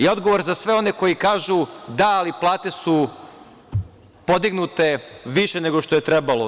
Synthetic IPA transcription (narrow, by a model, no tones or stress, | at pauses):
io̞d̪ɡoʋoɾzasʋe̞o̞ne̞ko̞jikaːʒud̪aːliplˠaːt̪e̞su | po̞d̪iɡnut̪e̞ʋiʃene̞ɡo̞ʃt̪ojet̪ɾebalo̰